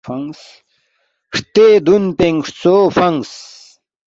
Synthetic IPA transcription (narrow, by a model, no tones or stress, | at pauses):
ɐŋs | ʂt̪ed̪unpeŋʂt͡soːfɐŋs